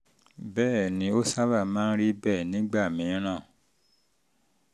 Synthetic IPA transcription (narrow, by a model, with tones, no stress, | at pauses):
bɛː˦˨nĩ˧˦o˦sa˦βa˦˨mãː˦n̩˦ɾi˦bɛː˦˨nĩ˨˦ɡ͡ba˦˨mĩ˨˦ɾ̃ã˦˨